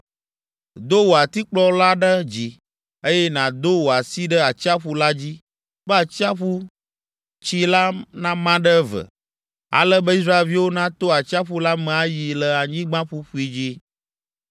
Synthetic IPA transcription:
d̪o˦wo˨a˨t̪i˦k͡plɔ˦la˦ɖə˦d͡ʑi˨ | e˦jɛ˦nã˨d̪o˦wo˨a˨si˦ɖə˦a˨t͡ɕi˦a˦ɸu˦la˦d͡ʑi˦ | bə˦a˨t͡ɕi˦a˦ɸu˦ | t͡ɕi˦la˦nã˦mã˦ɖə˦və̰˨ | a̰˨lə˦bə˦i˦s̬ɾa˦e˨lvi˦wo˦nã˦t̪o˦a˨t͡ɕi˦a˦ɸu˦la˦mɛ̃˨a˦ji˨lə˨a˨ɲĩ˦ɡ͡bã˦ɸu˦ɸu˦i˦d͡ʑi˦

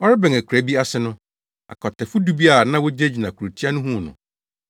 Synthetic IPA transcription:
ɔ˦ɾɪ˦bɛ̃˨ŋæ˨kʰʷu˨ɾæ˦bi˦a˦sɪ˦nʊ̃˦ | a̰˨kʰɔ˨tɛ˨fʊ˦du˦bi˦a˨nã˦wo˦d͡ʑe˦d͡ʑi˨nã˨kʰu˨ɾo˨tʰi˦a˦nʊ̃˦ɦũ˦˨nʊ̰̃˨

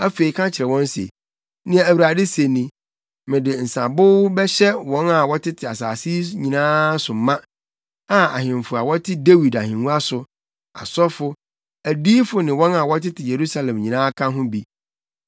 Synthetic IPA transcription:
æ˦fe˨i˨kʰã˦t͡ɕʰɪ˨ɾɛ˨wɔ̃˦n˦sḛ˨ | nɪ̃˦a˨æ˨wu˨ɾa˨dɪ˦se˨nĩ˨ | mɪ̃˨dɪ˨n̩˨sã˨bʊ˦wbɛ˦ɕɛ˦wɔ̃˨˦na˨wɔ˦tʰɪ˦tʰɪ˨a˨saː˨si˦ɲĩ˨nãː˦sʊ˨˦mã˦ | a˨a˨ɦɪ̃˨m˨fʊ˨a˨wɔ˦tʰɪ˦de˦wi˨da˨hɪ̃˨nũ˦a˦sʊ˨ | a̰˨sɔ˦fʊ˦ | æ˨diː˦fʊ˨nɪ̃˨wɔ̃˦na˨wɔ˦tɪ˦tʰɪ˨je˨ɾu˦sa˦lɛ̃˨mɲĩ˨nãː˦kʰã˦ɦʊ̃˦bi˦

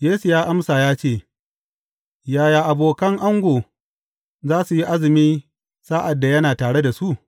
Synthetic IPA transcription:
jeː˦su˨jaː˦ʔa˦msaː˨jaː˦t͡ʃeː˦˨ | jaː˨jaː˨ʔa˨boː˨kɐ˦ŋʔa˦ŋɡʷoː˨ | zaː˦su˨ji˦ʔa˦zɪ˨miː˦ | saː˦ʔa˨dːa˨jɐ˦naː˨taː˨ɽe˦da˨su˦ʔ

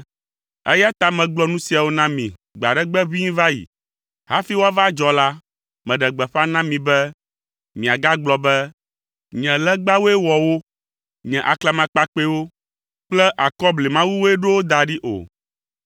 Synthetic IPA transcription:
ɛ̰˦ja˦t̪a˨mɛ̃˨ɡ͡blɔ˨˦nũ˦si˨a˨wo˦nã˦mḭ̃˨ɡ͡ba̰˨ɖɛ˦ɡ͡bɛ˦βi˦ɲĩ˦va˦jḭ˨ | ɦa˦fi˦wo˦a˦va˦d͡ʒɔ˨la˦ | mɛ̃˨ɖɛ˨ɡ͡bɛ˨ɸa˦nã˦mĩ˨bɛ˦ | mĩ˨a˨ɡa˦ɡ͡blɔ˨bɛ˦ | ɲɛ̃˨lɛ˦ɡ͡ba˦wo˦ɛ˦wɔ˨wo˦ | ɲɛ̃˨ʔa˨klɛ˦mã˨k͡pa˦k͡pe˦wo˦ | k͡plɛ˦ʔa˨kɔ˦ble˨mã˦wu˦wo˦ɛ˦ɖo˦wo˦d̪a˨ɖi˦ʔo̰˨

